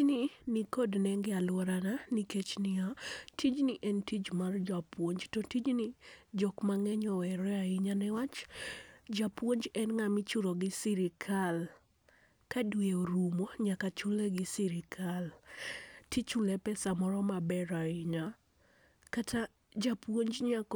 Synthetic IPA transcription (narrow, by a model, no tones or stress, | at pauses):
nɪnikodnɛŋɡɛalwɔɾananiket͡ʃnɪatʰid͡ʒnɪʔɛntid͡ʒmard͡ʒapwoɲd͡ʒtɔtid͡ʒnɪd͡ʒɔkmaŋɛɲɔɛɾɛaɪɲanɛwat͡ʃ | d͡ʒapwoɲd͡ʒɛnŋamɪt͡ʃʊɾoɡɪsiɾɪkʰal | kadweoɾumoɲakat͡ʃʊleɡɪsiɾɪkʰal | tit͡ʃʊlɛpɛsamɔɾɔmabɛɾaɪɲa | katʰa | d͡ʒapwoɲd͡ʒɲak